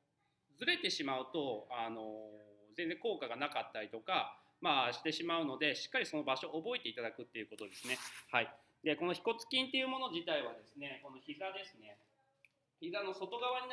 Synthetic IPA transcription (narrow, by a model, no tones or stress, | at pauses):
d͡zɨɾe̞t̪e̞ɕimaɯ̟t̪o̞ano̞zẽ̞nd͡zẽ̞ŋko̞ːkaɡanakat̪ːaɾʲit̪o̞ka | maːɕi̥t̪e̞ɕimaɯ̟no̞d̪e̞ɕi̥kːaɾʲiso̞no̞baɕo̞ʔːbo̞et̪e̞it̪ad̪akɯ̟t̪ːe̞jɯ̟ko̞t̪o̞d̪e̞sɨne̞hai | d̪e̞ko̞no̞çi̥ko̞t͡sɨ̥kʲĩnt̪e̞jɯ̟mo̞no̞ʑit̪aiβ̞ad̪e̞sɨne̞ko̞no̞çizad̪e̞sɨne̞ | çizano̞so̞t̪o̞ɡaβaɲ̟i